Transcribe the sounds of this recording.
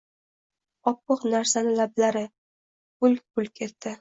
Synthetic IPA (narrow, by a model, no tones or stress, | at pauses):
ɒpːɨqnaɾsanɪlablaɾɪ | ʊlʲpʊlkʲʰe̞t̪ːɪ